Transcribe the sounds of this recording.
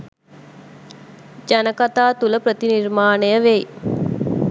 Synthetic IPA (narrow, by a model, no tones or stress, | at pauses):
d͡ʒanəkat̪aːt̪uləpɾət̪iniɾmaːnejəʋe